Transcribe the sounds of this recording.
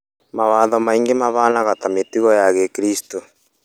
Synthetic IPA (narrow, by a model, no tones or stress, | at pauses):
maβaðɔmaiŋɡemaβanaɣatametiɣɔjaɣɛkiɾisto